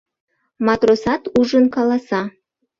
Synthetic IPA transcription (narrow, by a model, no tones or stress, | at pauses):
mɑt̪rosɑt̪uʒənkɑlˠɑsɑ